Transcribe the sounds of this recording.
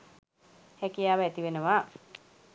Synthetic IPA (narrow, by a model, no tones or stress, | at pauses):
hɛkijaːʋəæt̪iʋenəʋa